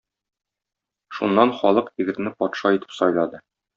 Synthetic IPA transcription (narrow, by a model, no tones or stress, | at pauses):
ʃunːɑnχɒlˠɤqiɡɘ̆ɾnɘpɒt̪ʃɑit̪ɘ̥psɒjlˠɑd̪ɤ